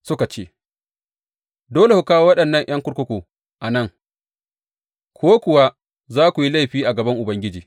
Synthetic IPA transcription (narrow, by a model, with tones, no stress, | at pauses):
sʊ˦ka˨t͡ʃeː˦˨ | doː˦le˨hu˨kaː˦wo˦wɐ˦ɗɐ˨nːɐ˦˨ŋʔɐ˦ŋkʷʊ˦ɽkʷʊ˦kʷoː˨ | ʔa˨nɐ˦˨ŋ | kʷʰoː˦kʷʊ˨wa˦ | zaː˦kʷu˨ji˦la˦jɸiː˦ʔa˨ɡɐ˨bɐ˦ŋʔʊ˨bɐ˦ŋɡʲɪ˦d͡ʒiː˨